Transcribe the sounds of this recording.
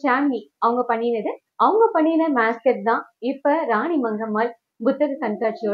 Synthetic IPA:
t͡ʃaːnmiɐʋɐŋɡɐpɐɳːiːnɪðɯ | ʔɐʋɯŋɡɐpɐɳːiːnɐmaːskɐʈ̚d̪ãːɪpːɐɾaːɳimɐŋɡɐmaːl | bʊt̪ːɐɣɯsɐnkaːʈ̚t͡ʃɪjoː

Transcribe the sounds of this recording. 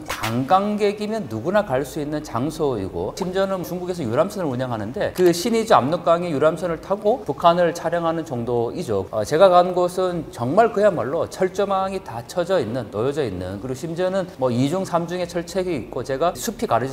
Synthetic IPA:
kaŋɡaŋɡe̞ɡimjʌnːuɡunakaɭs͈uinːɯnt͡ɕaŋsʰoḭɡo̰ɕʰimd͡ʑʌnɯnt͡ɕuŋɡuɡe̞s̬ʰʌjuɾamsʰʌnɯɭɾuɲʌŋɦanɯnde̞kɯɕʰinid͡ʑua̰mnok͈̚aŋijuɾamsʰʌnɯɭtʰaɡopukʰanɯɭt͡ɕʰaɾjʌŋɦanɯnt͡ɕʌŋdoid͡ʑo̰ʌ̰t͡ɕe̞ɡakaɯnɡʌsʰɯnt͡ɕʌŋmaɭkɯjamaɭːot͡ɕʰʌɭt͡ɕ͈ʌmaŋitat͡ɕʰʌd͡ʑʌinːɯnːojʌd͡ʑʌinːɯ̰nkɯɾiɡoɕʰimd͡ʑʌnɯnmʌid͡ʑuŋsʰamd͡ʑuŋe̞t͡ɕʰʌɭt͡ɕʰeɡiit̚k͈ot͡ɕe̞ɡasʰupʰikaɾɯ

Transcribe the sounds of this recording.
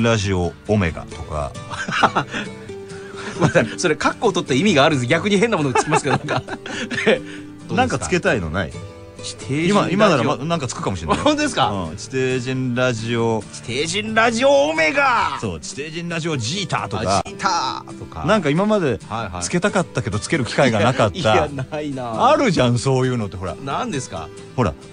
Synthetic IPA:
ɾaʑioːme̞̰ɡa̰t̪o̞ka̰ | adaso̞ɾekakːo̞ːt̪ot̪ːeimʲiɡaːɾɯ̟̃sɡʲakɯ̟ɲ̟iɦenːamo̞noɡat͡sɨ̥kʲimasɨked̪nãŋka | nãŋkat͡sɨ̥ke̞t̪aino̞̰na̰ḭ | t͡ɕi̥t̪ʰeimaimad̪aɾamanãŋkat͡sɨ̥kɯ̟kamoɕienaõnt̪od̪es̬ka̰ɯ̃ːt͡ɕi̥t̪e̞ːʑĩnɾaʑio̞t͡ɕi̥t̪eːʑĩnɾaʑioome̞ɡaso̞̰ːt͡ɕi̥t̪e̞ːʑĩnɾaʑio̞d͡ʑiːt̪a̰ːt̪o̞kat̪aːt̪oka̰nãŋkaimamad̪e̞haat͡sɨ̥ke̞t̪akat̪ːake̞d̪o̞t͡sɨ̥ke̞ɾɯ̟kʲi̥kaiɡanakat̪ːanaiaaɾɯ̟ʑãɰ̃so̞ːjɯ̟ːno̞t̪ːe̞ɦo̞ɾa̰nãnd̪esɨ̥ka̰ | ho̞ɾa̰

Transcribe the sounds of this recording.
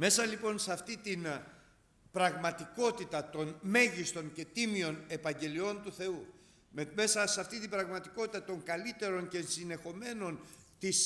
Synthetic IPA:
me̞sɐlipo̞nseɐft̪it̪in | pɾɐɣmɐt̪iko̞t̪it̪ɐt̪o̞nme̞ʝist̪o̞ŋce̞t̪imio̞ne̞pɐɲɟe̞lio̞nt̪uθe̞u | meme̞sɐsɐft̪it̪ibɾɐɣmɐt̪iko̞t̪it̪ɐt̪o̞ŋkɐlit̪e̞ɾo̞nce̞sine̞xo̞me̞no̞nt̪is

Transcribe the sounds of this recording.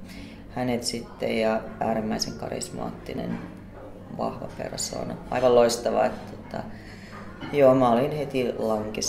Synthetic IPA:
hænet̪sit̪ːḛjjɑʔæːɾimːæiseŋkɑrḭsmɑ̰ːt̪ːinḛn | ʋɑ̰hʋɑpḛrso̰ːnɑɑiʋɑloist̪ɑʋɑ̰et̪t̪ot̪ɑ̰ | joːmæolinhet̪ilɑŋkes

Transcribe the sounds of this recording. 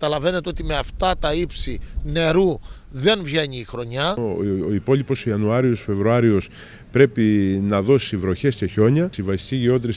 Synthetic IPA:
kɐt̪ɐlɐve̞ne̞t̪eo̞t̪ime̞ɐft̪ɐt̪ɐipsine̞ɾu | ðe̞nvʝe̞ɲiːxɾo̞ɲɐoipo̞lipo̞siɐnuɐɾiosfe̞vɾuɐɾio̞s | pɾe̞pinɐðo̞sivɾo̞çe̞sce̞ço̞ɲɐsiɱvɐsst̪iciʝio̞t̪ɾis

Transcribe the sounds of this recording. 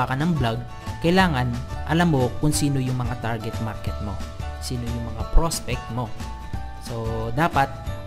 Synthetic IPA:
akɐnɐŋblaɡ̚ | kɐjlaːŋɐnʔɐlamːo̞kʊŋsiːnojʊŋmɐŋat̪aɹɡɛt̪̚maɾkɛt̪̚mo̞̰siːnojʊŋmɐŋapɾospɛk̚t̪mo̞ | so̞d̪aːpɐt̪̚

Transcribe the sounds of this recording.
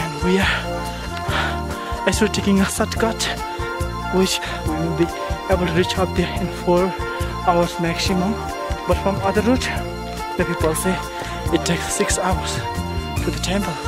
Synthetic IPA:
ɛ̃nwia | asoʈʰekɪ̃ŋəsʌtkat | wɪt͡ʃ | wlbi | ebəlʈuɾit͡ʃʌp̚d̪ɛɾɪ̃nfɔɾ | aʊəɾsmæksimə̃m | bʌʈfɾɔ̃mʌd̪əɾːut | d̪əpipəlse | ɪtʰːeksːɪksaʊəɾstʰud̪əʈʰɛ̃mpəl

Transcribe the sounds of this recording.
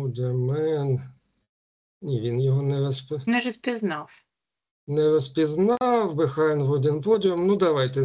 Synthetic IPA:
ud̪ʲɐmɪn | nʲiʋʲinjɔɦɔnɛɾɔspɪnɛrɔspʲiznɑw | nɛɾɔspʲiznɑwbɪxɑjnɦʊdʲɪnpɔdʲɔmnud̪ɐʋɑjt̪ɛ

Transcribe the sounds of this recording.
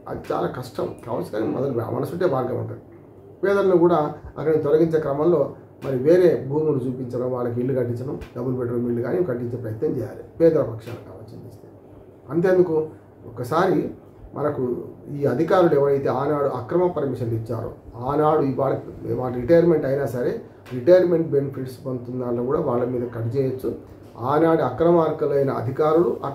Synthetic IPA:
ɐ̰d̪it͡ʃa̰ːla̰ːkɐʂʈɐmka̰ːʋɐ̰lsuɡa̰ːnimɔ̰d̪ɐl̰mɐ̰nɐsuʈːeːbʱaːɾɡɐmɐ̰ɳʈɐi | pɛːd̪ɐlɐnukuːɽaːɐ̰kːɐnit̪ɔlɐɡiɲt͡ʃe̞ːkɾɐmɐmlo̞ː | mɐɾiʋeːɾe̞ːbʱuːmulut͡ʃuːpiɲt͡ʃɐɽɐmʋaːɭːɐk̬iiɭːikɐʈːiɲt͡ʃːɐnɐmɖɐbulupeʈːɐɽɐmiɭːuɡaːnikɐʈːiɲt͡ʃeːpɾɐjɐt̪nɐmt͡ʃɛːja̰ːlipɛːd̪ɐɾɐpɐkʂa̰ːluka̰ːʋɐt͡ʃːɐnd̪ist̪eː | ɐnt̪eːnd̪uku | ɔkːɐsaːɾi | mʔɐ̰nɐkuiːɐd̪ʱikaːɾuluɛʋɐɾɐjt̪e̞ːaːnaːɽuʔɐkɾɐmɐpɐɾmiʃɐnlit͡ʃːa̰ːɾṵaːnaːɽuiʋaːɭːɐkʋaːɭːɐɾiʈɐjɐɾme̞ɳʈɐjnaːsɐɾe̞ | ɾiʈɐjɐɾme̞ɳʈ̚benɐpʰiʈsbɐnt̪und̪aːlːɐːkuːɽaːʋaːɭːɐmiːd̪ɐkɐʈit͡ʃɛːjɐt͡ʃːu | aːnaːɽuɐkɾɐmaːɾkɐlɐjnɐɐ̰d̪ʱikaːɾuluʔɐ

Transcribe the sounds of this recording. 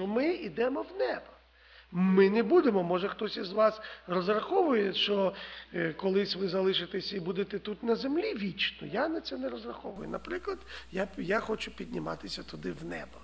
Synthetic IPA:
ɔmɪid̪ɛmɔwnɛbɐ | mɪnebud̪emɔmɔʒɐxt̪ɔsʲizʋɑsrɔzrɐxɔʋʊjɛʃɔ | kɔlˠɪsʲʋɪzɐlˠɪʃɪt̪esʲɐibud̪et̪ɛt̪ut̪nɐzemlʲiʋʲit͡ʃnɔ̰janɐt̪sɛnɛɾɔzrɐxɔʋʊjʊnɐpɾɪklˠɐd̪jajaxɔt͡ʃʊpʲid̪ʲnʲɪmɑ̰t̪ɪsʲɐt̪ʊd̪ɪwnɛ̰bɐ

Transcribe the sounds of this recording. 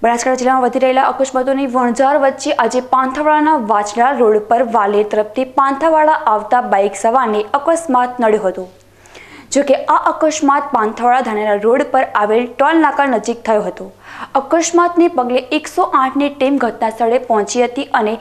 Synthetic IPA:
bəɽat͡ʃkaɽad͡ʒɪlːamãʋəd̪ʱiɾəɦelaʔəkəʃmat̪̬oniʋəɳ̃d͡ʒaɾʋətːʃeʔad͡ʒepãnt̪ʰaʋaɭanaʋat͡ʃɽaɾoɽpəɾʋaleɾt̪əɾəft̪ʰipãnt̪ʰaʋaɭaʔaʋt̪abaiksəʋaneəkəsmat̪nəɽjõɦət̪o | d͡ʒokeaʔəkəʃmat̪̚pãnt̪ʰaʋaɭad̪ʱaɽ̃enaɾoɽpəɾaʋelʈɔlnakalnəd͡ʒik̚t̪ʰəjõɦət̪oəkəʃmat̪nepəɡleeksoʔãʈʰniʈimɡʱəʈnast̪ʰəɭepɔɦɔ̃t͡ʃiɦət̪iʔəne

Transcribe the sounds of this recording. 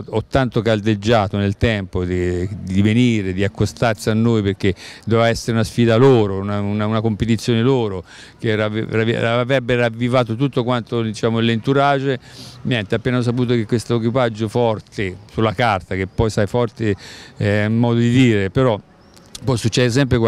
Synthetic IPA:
ɔt̪ːant̪okald̪ed͡ʒːaːt̪onelt̪ɛmpod̪id̪iveniːɾed̪iakːost̪arsianːojperk̟ːed̪ovɛvaɛsːeɾeunasfiːd̪aloːɾonaunaunakompet̪̬it̪sːjoːneloːɾo | keɾav̰aavɾɛbːeɾavːivaːt̪ot̪ut̪ːokwant̪od̪it͡ʃaːmolent̪uɾad͡ʒenjɛnt̪eapːeːnaos̬apuːt̪̬okekːwest̪oek̬wipad͡ʒːofɔrt̪esulːakart̪akepːɔjsajfɔrt̪eɛummːɔːd̪od̪id̪iːɾepeɾɔ | pɔjsut͡ʃːɛːd̪es̬ɛmp̬ɾek

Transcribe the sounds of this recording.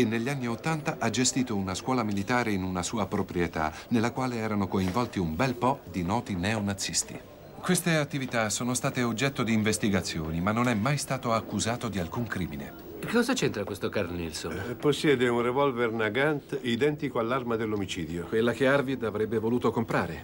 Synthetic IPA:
enːeʎːianːiot̪ːant̪aʔad͡ʒest̪iːt̪ounaskwɔːlamilit̪aːɾeinunasuːapɾopɾijet̪a̰nelːakwaːleɛːɾanokoiɱvɔlt̪iumbɛlpɔd̪inɔːt̪inɛonat̪sːist̪ḭ | kwest̪eat̪ːivit̪asoːnost̪aːt̪eod͡ʒːɛt̪ːod̪iːɱvest̪iɡat̪sːjoːnimanːonɛmːajst̪aːt̪oakːuzaːt̪od̪ialkuŋkɾiːminḛ | ekːekːɔzat͡ʃent̪ɾakwest̪okarnilsoposːjɛːd̪eunrevɔlvernaɡant̪id̪ɛnt̪ikoalːarmad̪elːomit͡ʃiːd̪jokwelːakearvid̪avɾɛbːevoluːt̪okompɾaːɾe

